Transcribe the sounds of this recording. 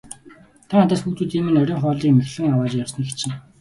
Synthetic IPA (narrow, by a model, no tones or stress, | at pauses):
t̪ʰaŋat̪aːsxukt̪ŭt̪iːmɘ̆nœɾʲɞ̆ːŋχɔːɮiːkmexɮɘ̆ŋawaːt͡ɕjawsnĭxt͡ɕʰɪ̆ŋ